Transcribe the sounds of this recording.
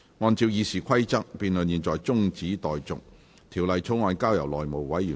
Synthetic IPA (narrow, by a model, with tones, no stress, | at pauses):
ŋɔː˧nt͡siː˧wjiː˨˧siː˨˩kʰɐ˥jt͡sɐ˥k̚piː˧nlɵ˨njiː˨nt͡sɔː˨jt͡sʊ˥ŋt͡siː˨˥t̪ɔː˨jt͡sʊ̰˨k̚ | t̪ʰiː˨˩wlɐ˨jt͡sʰo˨˥ŋɔː˧nkaː˥wjɐ˨˩wlɔː˨jmo˨wwɐ˨˥jyː˨˩